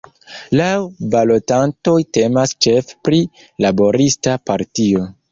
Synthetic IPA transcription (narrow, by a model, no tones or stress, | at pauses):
lawbalo̞tanto̞jte̞mast͡ʃe̞fpɾi | labo̞ɾistapaɾtio̞